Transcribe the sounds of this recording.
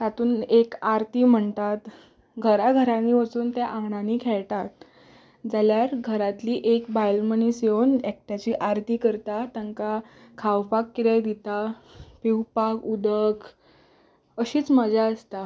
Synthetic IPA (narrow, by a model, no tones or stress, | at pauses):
t̪at̪uːnekaɾt̪iːm̤əɳt̪at̪ | ɡʱəɾaɡʱəɾaniʋət͡suːnt̪jaʔãŋɡɳaniːkʰɛɭt̪at̪ | d͡zaljaɾɡʱəɾat̪liːʔekbajlmənisjeonek̚ʈ̪at͡ɕiːʔaɾt̪iːkəɾt̪at̪əŋka | kʰawpakːiɾajd̪it̪apiwpakud̪ək | əɕiːt͡sməd͡ʑʱaəst̪a